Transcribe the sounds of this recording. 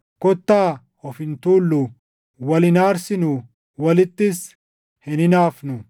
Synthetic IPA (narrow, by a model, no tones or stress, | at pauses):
kɔt̪ːaː | ɔfɪnt̪uːlːu | wɐlɪnaːɾsɪnʊ | wɐlɪt̪ːɪs | hɪnɪnaːfnʊ